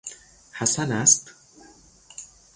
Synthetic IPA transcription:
hæsænæst̪

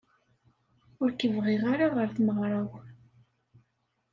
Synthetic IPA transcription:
ʊɾkəvʁɪʁaɾaʁəɾθməʁɾˤɑw

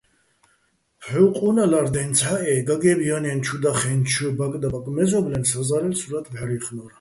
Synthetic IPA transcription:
pʰɛwqʼunalaɾd̪ɛnt͡sʰaʔɛɡaɡɛbianɛnt͡ʃʰud̪aχɛnt͡ʃʰubakʼd̪abakʼmɛzɔblɛnsazaɾɛlsuɾat̪ʰvaɾiχnɔɾ

